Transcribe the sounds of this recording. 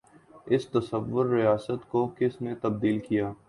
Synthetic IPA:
ɪst̪ɐsəʋːʊɾːɪjaːsət̪kokɪsnet̪ɐbd̪iːlkijaː

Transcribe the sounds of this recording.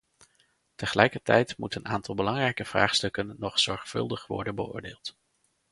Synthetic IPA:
təχəlɛjkəɹtɛjtmutənʔaːntɑlˠbəlɑŋrɛjkəv̥ra̰ːχstɵkənːɔχsɔɹχfɵ̰lˠdəχʋɔ̰ɹdənbəʊ̰ːɹdeːlˠt

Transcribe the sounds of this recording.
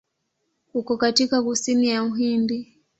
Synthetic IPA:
hukɔkatikaɣusinijauɦimbi

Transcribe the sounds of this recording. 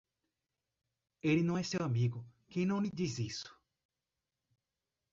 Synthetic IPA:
elinɐ̃w̃ɛsewamiɡʊkẽj̃nɐ̃w̃lid̪izisʊ̥

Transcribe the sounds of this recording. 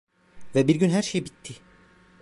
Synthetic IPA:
vɛbiɾɟynɦæɾʃejibit̪ʰːi

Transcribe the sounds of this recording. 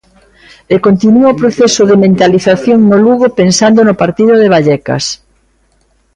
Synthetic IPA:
ekont̪inuaopɾoθɛsʊðemẽnt̪aliθaθjoŋnoluɣopensand̪onʊpaɾt̪iðʊðeβ̞aʎɛkɐ̰s

